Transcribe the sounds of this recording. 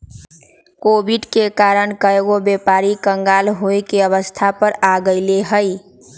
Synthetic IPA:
kobiɖkekaɾəɳkəeɡobepaɾikəŋɡalɦojkeəβəst̪ʰapəɾaɡəɪleɦəj

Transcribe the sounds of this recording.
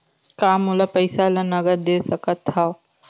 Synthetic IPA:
kaːmulɐpəɪsalɐnɐɡəɾd̪eːsɐkət̪ɦa

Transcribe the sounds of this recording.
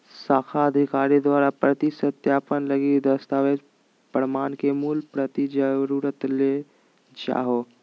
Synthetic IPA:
saːkʰaəd̪ʱikaːɾid̪waːɾapɾət̪isət̪jaːpənləɡid̪əst̪aʋed͡ʒ | pəɾmaːnkemuːlpɾət̪id͡ʒəɾuɾət̪le | d͡ʒa̰ːɦo

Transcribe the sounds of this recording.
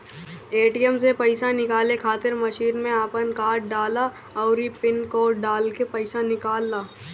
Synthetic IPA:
eːʈijəmsepɐɪsanɪkaːlekʰaːt̪ɪɾmɐʃiːnmẽaːpənkaːʈ̚ɖaːla | ɔːɾipɪnkoːɖaːlkepɐɪsanɪkaːlːaː

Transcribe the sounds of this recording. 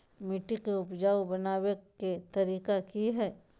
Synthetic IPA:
mɪʈːikeʊpd͡ʒaːwbɐnaːweket̪ɐɾiːkakiɦɛː

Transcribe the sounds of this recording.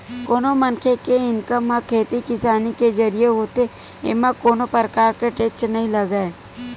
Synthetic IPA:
koːnomənkʰekeɪnkəmãkʰeːt̪ikɪsaːniked͡ʒɐɾijeɦoːt̪e | ḛːmãkoːnopəɾəkaːɾkeʈeːkt͡ʃnɐɦĩlɐɡae

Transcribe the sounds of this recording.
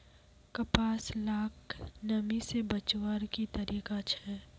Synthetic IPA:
kɐpaːslaːknɐmisebɐt͡ʃwəɾkit̪ɐɾiːkat͡ʃʰɛː

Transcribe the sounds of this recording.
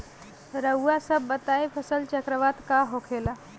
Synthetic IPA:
ɾəasəbːət̪aepʰəsəlt͡ʃəkɾəʋad̪kaɦokʰela

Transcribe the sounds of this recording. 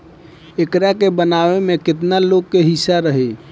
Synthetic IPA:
ekɾakebənaʋemekɪt̪nalokːeɦisaɾəɦi

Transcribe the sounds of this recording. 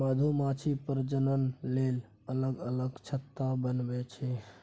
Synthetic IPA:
məd̪ʱumat͡ʃʰipəɾd͡ʒənənlel | ələɡələɡt͡ʃʰət̪ːabənbɛt͡ʃʰɛ

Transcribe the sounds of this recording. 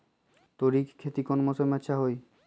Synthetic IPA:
t̪oɾikkʰːet̪ikonmosoɾmɛtːʃʰaɦoj

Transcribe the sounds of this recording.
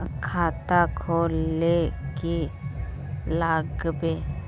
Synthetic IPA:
kʰaːt̪akʰoːleki | laːɡbe

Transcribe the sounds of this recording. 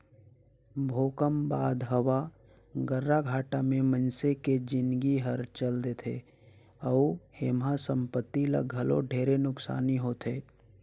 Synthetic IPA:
bʱoːkəmbaːd̪ɦəwa | ɡəɾːaɡʱaːʈamẽmənseked͡ʒɪnɡiɦəɾt͡ʃəld̪et̪ʰḛ | ɔːheːmasə̃mpət̪ːila̰ɡʱəlo̰ɖʱeːɾenʊksa̰ːniɦoːt̪ʰeː

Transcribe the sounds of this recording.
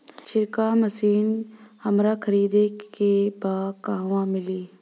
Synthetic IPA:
t͡ʃʰɪɾkaːməsiːnhəmɾakʰəɾiːd̪eebaːkaːʋãmɪliː

